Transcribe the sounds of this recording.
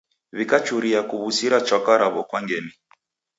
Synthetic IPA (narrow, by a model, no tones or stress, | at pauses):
βikat͡ʃuɾiakuβusiɾat͡ʃakaɾaβɔkwaŋɡɛni